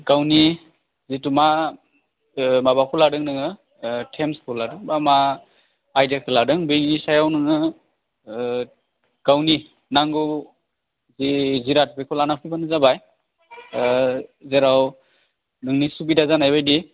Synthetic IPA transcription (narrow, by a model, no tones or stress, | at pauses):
ɡawni | zituma | maβakʰɔladɯŋnɯŋɯ | tʰemskʰuladɯŋbamaː | jdakʰɯladɯŋbiŋnisajawnɯŋɯ | ɡ̥awni | naŋɡu | ziziɾat̚pekʰɔlanapʰibanɯzabaj | zeɾaw | nɯŋnisubidazanajbajdi